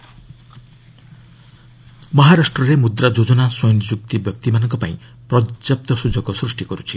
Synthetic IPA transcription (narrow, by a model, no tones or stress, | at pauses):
mʌɦaɾasʈrʌɾemud̪ɾad͡ʒod͡zɔnaswɔjnd͡zuk̚t̪ibjʌk̚t̪imanʌŋkɔpaĩ | prʌd͡zjap̚t̪ʌsud͡zʌɡɔsrusʈiɡʌɾut͡sʰi̥